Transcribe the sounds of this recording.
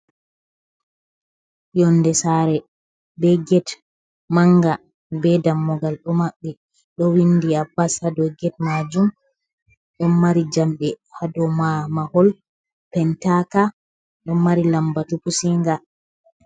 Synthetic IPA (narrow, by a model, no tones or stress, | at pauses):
jɔnːdɛsaɾɛ | bɛɡɛt | maŋɡa | bɛdamːɔɡalɗɔmaɓːɛ | ɗɔwindiabːasadɔɡɛt̚mad͡ʒum | ɗɔmːaɾid͡ʒamɗɛ | hadɔmamahɔl | pɛntaka | ɗɔmːaɾilambatupusiŋɡa